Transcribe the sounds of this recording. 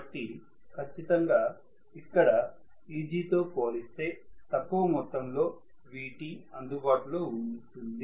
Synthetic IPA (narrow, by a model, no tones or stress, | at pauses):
ʈːi | kʰɐt͡ʃːit̪ɐŋɡaː | ikːɐɽɐ | iːd͡ʒiːt̪o̞ːpo̞ːlist̪e̞ːt̪ɐkːuʋɐmɔt̪ːɐmlo̞ː | ʋiːʈiɐnd̪ubaːʈulo̞ːuɳɖust̪und̪i